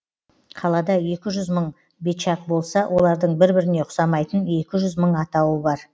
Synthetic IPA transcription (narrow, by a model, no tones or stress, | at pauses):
qʰɑlˠɑd̪ɑje̞kʲɪʒʏzməɴ | beʃɑq̚bo̞lˠsɑwʔo̞lˠɑɾd̪əɴbɪɾbɪɾɪne̞qʰʊ̥sɑmɑjt̪əne̞kʲɪʒʏzməɴɑt̪ɑwəbɑɾ